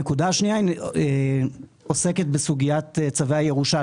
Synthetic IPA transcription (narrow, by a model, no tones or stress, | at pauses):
ekud̪aʃniaine | ose̞ke̞t̪̚besuɡijatet͡saveaje̞ʁuʃa